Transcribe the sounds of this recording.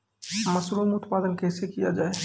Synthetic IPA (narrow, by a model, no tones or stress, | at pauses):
mɐsluːmʊt̪paːd̪ənkʰeːsekijad͡ʒaːe